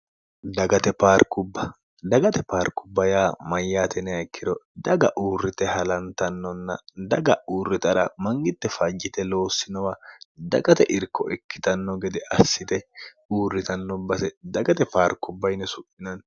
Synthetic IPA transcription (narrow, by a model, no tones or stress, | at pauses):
d̪ɐɡɐt̪ɛpaːɾkʊbːɐ | d̪ɐɡɐt̪ɛpaːɾkːʊbːɐjaːmɐjːaːt̪ʰɛnɛjɐkʰːɪd̪ɔd̪ɐɡɐʔuːrːɪt̪ɛhɐlɐnt̪ɐnːɔnːɐ̰d̪ɐɡɐuːrːɪt̪ɐɾɐmɐŋɡɪt̪ːɛfɐd͡ʒːɪt̪ɛlo̞ːsːɪnɔwad̪ɐɡɐt̪ɛʔɪɾkːɔɛkːɪ̥t̪ɐnːɔɡɛd̪ɛʔɐsːɪt̪ɛ | uːrːɪt̪ɐnːɔbɐsɛd̪ɐɡɐt̪ɛpaːɾkːʊbːɐjnɛsʊʔːɪnɐn